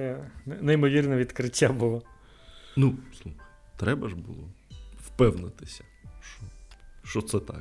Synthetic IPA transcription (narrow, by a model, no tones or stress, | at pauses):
ɛnɛnɛimɔʋʲirnɛʋʲid̪kɾɪtʲːabʊlˠɔ | nuslˠuxɐ | t̪ɾɛbɐʒbʊlˠɔwpɛwnɪt̪ɪsʲɐ̥ | ʃt͡ʃɔʃt͡ʃɔt̪sɛt̪ɑ̰k